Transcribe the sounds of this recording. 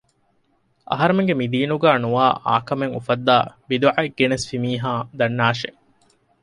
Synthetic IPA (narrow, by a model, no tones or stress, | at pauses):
ɐ̰ɦɐɾemeŋɡemid̪iːnuɡæːnuʋaːʔa̰ːkɐmeŋufɐd̪ːaːbid̪uʕaeɡːenesfimiːɦaːd̪ɐnːaːʃḛ